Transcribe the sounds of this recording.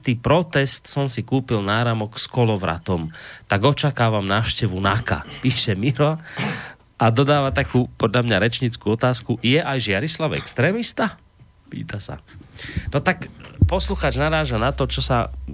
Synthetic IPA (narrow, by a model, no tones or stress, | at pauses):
t̪iːpɾɔt̪ɛst̪sɔmsikuːpilnaːɾamɔkskɔlɔʋɾa̰t̪ɔmt̪aɡɔt͡ʃakaːʋamnaːʊʃcɛʋunaka̰piːʃɛmiɾɔ | ad̪ɔd̪aːʋat̪akuːpɔd̪ʎamɲaɾɛt͡ʃɲit͡skuːɔt̪aːskujɛʔajʒɪaɾislaʊɛ̰kst̪ɾɛːmist̪a | pḭːt̪asa̰nɔt̪akpɔsluxaːd͡ʒnaɾaːʒanat̪ɔt͡ʃɔsa